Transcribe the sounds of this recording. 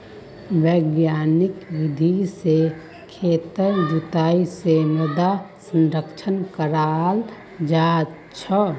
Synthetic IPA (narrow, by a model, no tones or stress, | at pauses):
wəɡjaːnɪkwɪd̪ʱise | kʰet̪əɾd͡ʒut̪aːiseməd̪asə̃nɾəkt͡ʃʰənkəɾal | d͡ʒa | t͡ʃʰə